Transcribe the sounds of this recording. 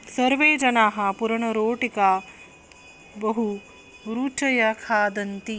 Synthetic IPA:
sɐɾʋeːd͡ʒɐnaːɦɐpuɾɐɳɐɾoːʈikaː | bɐɦu | ɾuːt͡ʃɐjɐkʰaːd̪ɐnt̪i

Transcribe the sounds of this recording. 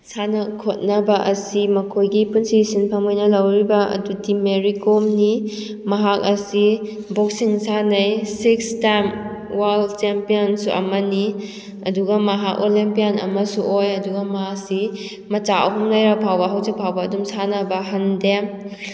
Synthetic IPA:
sanɐkʰot̚nɐbɐʔɐsimɐkʰojɡipunsisinpʰamojnɐlɐwɾibɐɐ̰dutimeɾikomni | mɐɦak̚ɐsi | bok̚siŋsʰanɐjsikstajmwaldt͡ʃempijonsuʔɐ̰mɐni | ɐduɡɐmɐɦak̚olimpijanɐ̰mɐsuʔojɐduɡɐmɐɦak̚si | mɐt͡ʃaɐ̰ɦumlajɾɐpʰawbɐɦawzik̚pʰawbɐːdumsanɐbɐɦɐndem

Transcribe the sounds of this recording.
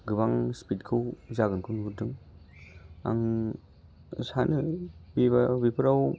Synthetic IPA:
ɡɯbaŋspʰitkʰɯwzaɡɯnkʰɯnudɯŋ | a̰ŋ | sanɯbibabipʰɯɾaw

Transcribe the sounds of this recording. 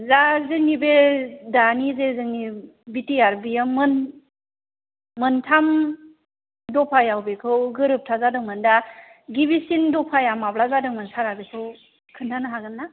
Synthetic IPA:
zazɯŋnibedanizezɯŋnibitiaɾbijamɯn | mɯntʰam | dɔpʰajawbekʰɯwɡɯɾɯp̚tʰazadɯŋmɯndaɡibisindɔpʰajamablazadɯŋmansaɾabekʰɯw | kʰɯntʰanɯɦaɡɯnːa

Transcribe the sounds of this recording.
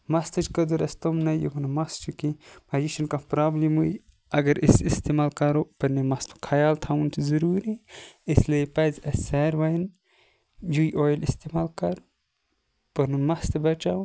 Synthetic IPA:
mɐst̪ɐt͡ʃkɐd̪uɾɐst̪omnɐjṵmɐnɐmɐst͡ʃʰukimɐjiʃɐnkapɾaːblimuj | ɐɡɐɾisist̪imaːlkɐɾopɐnimɐst̪ʰu̥kʰɐjaːlt̪ʰawunt̪ʰizɐɾuːɾiislepɐzɐseɾwɐjin | jujʔojlist̪imaːlkɐɾ | pɐnunmɐst̪ebɐt͡ʃawun

